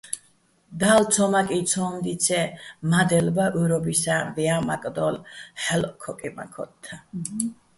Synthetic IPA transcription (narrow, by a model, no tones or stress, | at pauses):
d̪alt̪sʰɔmakʼit̪sʰɔmd̪it̪sʰɛmad̪ɛlbaʔuɾɔbisavɛamakʼd̪ɔlħɛlɔkʰɔkʼima̰kʰɔ̰t̪ʰːa